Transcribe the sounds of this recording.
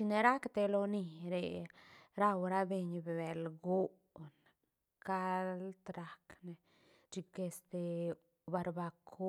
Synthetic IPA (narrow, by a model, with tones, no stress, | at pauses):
t͡ʃi˧ne˧ɾa˦kt̪e˧lo˧ni˧ɾe˨ɾa˦wɾa˦be˧ɲbe˨be˨lɡo˦ʔ | n | ka˦lt̪ɾa˨˧kne˧ | d͡ʒi˧ke˧st̪e˨ | ba˧ɾba˧kʰo˦